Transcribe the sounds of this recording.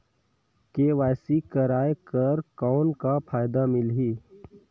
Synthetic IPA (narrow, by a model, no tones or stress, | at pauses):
keːʋaːjsikəɾaːekəɾkɔːnkapʰaːjd̪amɪlɦiː